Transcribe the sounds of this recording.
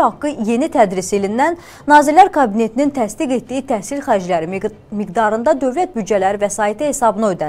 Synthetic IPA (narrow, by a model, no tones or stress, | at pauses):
hɑkːɯje̞nit̪ʰæd̪ɾiselinːænː | ɑːzilːæɾkʰɑbine̞t̪ʰinint̪ʰæst̪iɡe̞t̪d̪ijit̪ʰæhsilxæɾid͡ʒlæɾi | miɡd̪ɑɾɯnd̪ɑd̪ø̞vlæt̪̚byd̪d͡ʒælæɾivæsɑːit̪ʰihe̞sɑbɯnɑød̪æ